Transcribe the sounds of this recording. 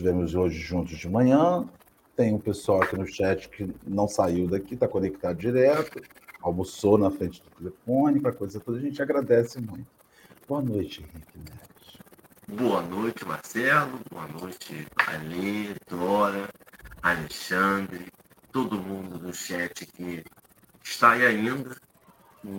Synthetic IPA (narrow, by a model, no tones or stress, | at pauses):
ʃt͡ʃivẽmʊzoʒɪʒũnt̪ʊzd͡ʒɪmɐ̃ɲɐ̃ | t̪ẽj̃ũpesuawɐkinʊʃɛt͡ʃɪ̥kɪnɐ̃w̃saiwd̪akit̪akonek̚t̪ad̪ʊd͡ʒiɾɛt̪ʊ | awmusonɐfɾẽnt͡ʃɪd̪ʊt̪elefõnɪʊpɾɐkojzɐt̪od̪ɐʒẽnt͡ʃɪaɡɾad̪ɛsɪmũj̃t̪ʊ̥ | boɐnojt͡ʃɪɪ̃hikɪnɛ | s | boɐnojt͡ʃɪma̰ɾsɛlʊboɐnojt͡ʃɪa̰lĩd̪ɔɾɐaleʃɐ̃nd̪ɾɪ | t̪od̪ʊmũd̪ʊd̪ʊʃɛt͡ʃɪkɪ | ʃt̪ajaĩnd̪ɐ